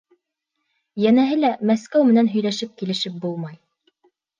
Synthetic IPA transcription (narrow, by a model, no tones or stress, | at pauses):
jænæɦɘlæmæskæwmɘ̆nænɦɵ̆jlæʃɘp̚kilɘ̆ʃɘp̚bulˠmɑj